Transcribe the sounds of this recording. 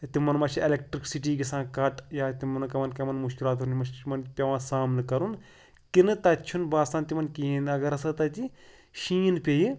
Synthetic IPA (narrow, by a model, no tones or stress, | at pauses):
t̪imɐnmɐt͡ʃʰielek̚ʈɾiksiʈiːkisãːkɐʈjaːt̪imɐnkɐmɐnkɐmɐnmuʃkilaːt̪ɦɐnmɐt͡ʃʰmɐnpʲɐʋãːsaːmnkɐɾun | kinɨt̪ɐt͡ʃʰunbaːst̪aːnt̪imɐnkiːɦẽnd̪ɐɡɐɾɐsɐt̪ɐt̪i | ʃiːnpʲeji